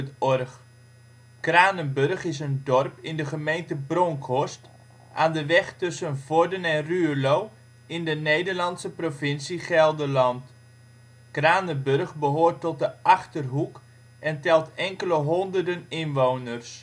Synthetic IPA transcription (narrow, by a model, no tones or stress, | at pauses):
ɔrx | kraːnənbørχɪsəndɔrpɪndəχəmejntəbrɔŋkʰɔst | ʔaːndəʋɛχtɵsənv̥ɔɹdənɛnrylow | ɪndənejdərlɑntsəprofɪnsiχɛlˠdəlɑnt | kraːnəbørχbəɦoːrtɔt̚dəɑχtərɦuk | ɛntɛlˠtɛŋkələɦɔndərdənɪnʋownərs